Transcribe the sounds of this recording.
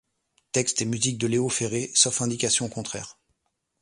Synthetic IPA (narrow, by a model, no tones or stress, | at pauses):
t̪ɛkst̪emyzik̚d̪əleofeʁesɔfɛ̃d̪ikʲasjɔ̃kɔ̃t̪χɛːʁ